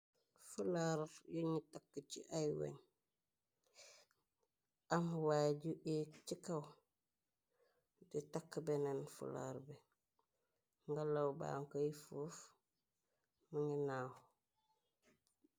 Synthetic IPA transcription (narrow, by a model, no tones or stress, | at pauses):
fulaɾjuɲitakːət͡ʃḭʔajwḛɲ | amwaɟuʔit͡ʃikaw | ditakːbenenfṵla̰ɾbe | ŋɡalawba̰ːŋkojifuːf | muɲinaːw